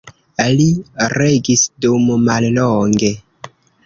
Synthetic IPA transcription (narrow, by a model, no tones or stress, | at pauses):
aliɾeɡisdummalloŋɡe̞